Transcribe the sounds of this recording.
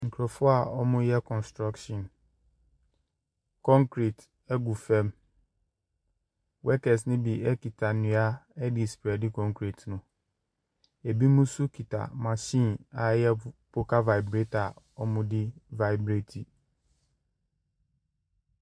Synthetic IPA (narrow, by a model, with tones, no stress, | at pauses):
ŋ̩˨kʰɾɔ˨fʊ˦a˨ɔ˦mʊ̃˦jɛ˦kʰɔ̃˨nstɾa˦kʃɔ̃˨n | kʰɔ̃˦ŋkɾi˨t | ɛ˦ɡu˨fɛ̃˦m | wɛ˦kɛ˨s̬nɪ̃˦bi˨ʔɛ˦ki˨tʰa˨nɪ̃˨˦a˦ɛ˦dɪ˨spi˨a˨dɪ˦kʰɔ̃˦ŋkʰɾi˨tnʊ̃˨ | e˨bi˦mũ˦su˦kʰi˨tʰa̰˨mã˨ɕĩː˦na˨jɛ˦pʰo˦kʰa˦va˨i˨bɾe˦ta˨ | ɔ˦mʊ̃˦dɪ˦va˨jbɾe˦tʰi˨